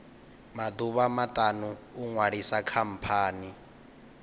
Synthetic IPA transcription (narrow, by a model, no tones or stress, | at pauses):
mad̪uβamat̪ʼanuːŋwaɺisakʰam̩pʰaːni